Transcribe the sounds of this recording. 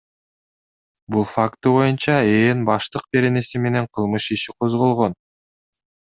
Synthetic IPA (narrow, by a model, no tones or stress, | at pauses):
bulˠfakt̪uβo̞junt͡ʃɑeːnbɑʃt̪ɯq̚be̞ɾe̞ne̞sime̞ne̞ɴqʰɯlˠmɯʃiʃiqʰo̞zʁo̞lˠʁo̞n